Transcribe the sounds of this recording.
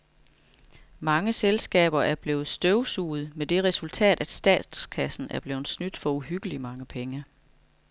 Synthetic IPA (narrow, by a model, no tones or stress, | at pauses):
mɑ̈ŋəselsɡ̥ɛ̰ːb̥ɐʔæɐb̥le̝ːð̩ˠsd̥øʊsuːð̞̩ˠmed̥e̝ʁɛsult͡sʰɛ̰ːd̥æd̥sd̥ɛ̰ːd̥skʰæsn̩æɐb̥le̝ːð̩ˠsnyd̥fɒ̽uɦyɡ̥əlimɑ̈ŋəpʰeŋə